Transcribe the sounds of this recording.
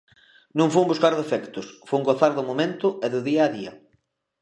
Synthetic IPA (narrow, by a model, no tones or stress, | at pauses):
nũŋfuŋbuskaɾðefɛkt̪ʊsfuŋɡoθaɾðʊmomẽnt̪ʊɛðʊðiaːðiɐ̰